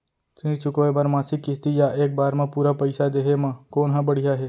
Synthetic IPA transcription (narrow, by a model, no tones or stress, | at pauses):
t̪ɾĩt͡ʃʊkʋebaɾmaːsɪkːɪst̪ijaʔeːk̚baːɾmãpuːɾapəɪsad̪eːɦemãkoːnɦãbəɽijaɦeː